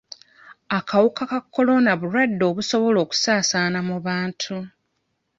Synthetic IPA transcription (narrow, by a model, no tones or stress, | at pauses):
akawukakakːo̞lo̞naβuɾwadːo̞ːβuso̞βo̞lo̞ːku̥saːsaːnamuβaːntʰu